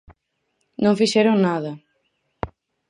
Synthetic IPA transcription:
nõŋfiʃɛɾoŋnaðɐ

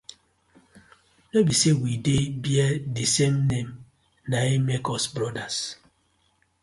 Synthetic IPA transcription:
nobisewidebjɛdisemnem | naemekɔsbɾɔdas

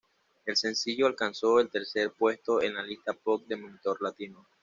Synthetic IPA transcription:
e̞lse̞nsiʝo̞alkanso̞e̞lt̪e̞ɾse̞ɾpwe̞st̪o̞e̞nlalist̪apok̚d̪e̞mo̞nit̪o̞ɾlat̪ino

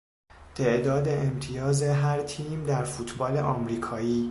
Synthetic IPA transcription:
t̪ʰe̞ʔd̪ɒːd̪e̞ʔemt̪ʰijɒːze̞ɦæɾt̪ʰiːmd̪æɾfut̪ʰbɒːle̞̰ʔɒːmɾiːkʰɒːiː

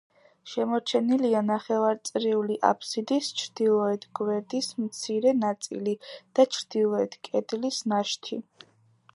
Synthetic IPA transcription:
ʃɛmɔt͡ʃʰɛnilianaχɛvaɾt̪sʼɾiuliʔa̰pʰsid̪ist͡ʃʰɾd̪̥ilˠɔɛt̪ʰɡwɛɾd̪ismt̪sʰiɾɛnat̪sʼḭlid̪̥at͡ʃʰɾd̪̥ilˠɔɛt̪ʰkʼɛd̪ʼlisnaʃt̪ʰḭ

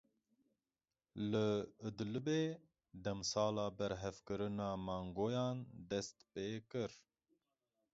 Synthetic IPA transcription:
lɨɨd̪lɨbeː | d̪ɛmsɑːlɑːbɛɾɦɛvkɨɾɨnɑːmɑːŋɡoːjɑːnd̪ɛst̪peːkɨɾ

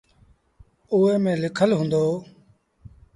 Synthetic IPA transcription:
uːeːmẽːlɪkʰəlɦũːnd̪oː

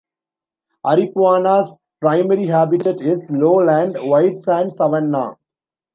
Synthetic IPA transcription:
ʔɐɾɪpʊaːnaːs | pɾaɪməɾiɦæːbɪʈeʈɪzloːlæ̃ːɳɖʋaɪʈsæ̃ːɳsɐʋənːa̰ː

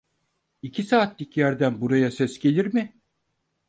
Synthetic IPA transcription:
icʰisaːt̪ʰlʲicjæɾd̪ænbuɾajasɛsɟe̞lʲiɾmɪ

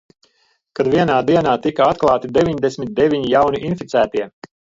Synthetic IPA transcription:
kad̪viɛnaːd̪iɛnaːt̪ikaat̪klˠɑːt̪id̪evʲiɲd̪esʲmit̪̚d̪evʲiɲijawniʔinfit̪sæːt̪iɛ

